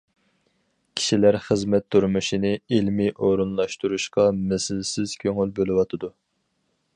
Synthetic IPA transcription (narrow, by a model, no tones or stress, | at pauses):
kʲʰi̥ʃilæɾχəzmɛt̪ʰːuɾmuʃinɪilmiʔoɾunlˠɑʃt̪uɾuʃqɑmɛsɪlsɪz̥kʲʰøŋylbølˠɨwɑt̪ʰɨd̪u